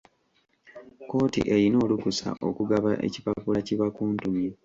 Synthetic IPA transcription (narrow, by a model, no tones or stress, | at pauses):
ko̞ːtḭʔe̞ɾino̞ːlukusa̰ʔo̞kuɡaβaʔḛcipapulaciβakuːntumje